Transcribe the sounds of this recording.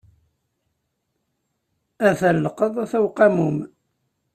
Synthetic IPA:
æθælːəqəðˤæθæwqɑmum

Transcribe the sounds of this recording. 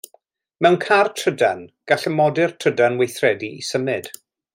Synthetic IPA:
mɛwnkʰartʰədanɡ̥aɬəmɔdɪrtʰədanwejθrɛdiisəmɨd̥

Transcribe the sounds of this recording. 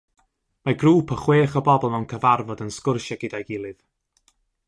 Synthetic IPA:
maɡruːpʰəχweːχɔbɔbɔlˠmɛwnkʰəvarvɔdənskʊrʃaɡɪdajɡɪlˠɨð

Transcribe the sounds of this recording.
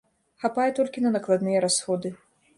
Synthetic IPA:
xapajɛt̪ɔlʲkʲinɐnɐklˠad̪nɨjɛɾasxɔd̪ɨ

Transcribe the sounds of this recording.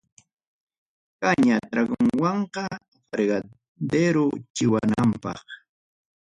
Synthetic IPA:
kaɲat̪ɾaɡoŋwɑɴqɑ | fɾeɢɑ | d̪eɾʊt͡ʃɪwanampɑ̰χ

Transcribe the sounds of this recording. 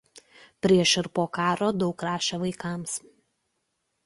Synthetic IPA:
pʲɾʲiɛʃɪɾpoːkɑːɾoːd̪ɒʊkɾɑːʃʲɛʋɐɪkɑˑms

